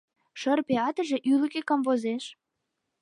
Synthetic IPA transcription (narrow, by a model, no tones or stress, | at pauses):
ʃə̆rpeɑt̪ə̆ʒĕʔyləkekɑmvozeʃ